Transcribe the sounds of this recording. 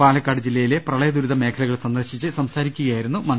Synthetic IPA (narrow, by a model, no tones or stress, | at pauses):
aːlɐkːaːɽɨd͡ʑilːɐjileprɐɭɐjɐd̪uɾuðɐme̞ːkʰɐlɐɣɐɭsɐnd̪ɐrɕit͡ɕːɨsɐmsaːɾikʲːuɣɐjaːjiɾunːumɐn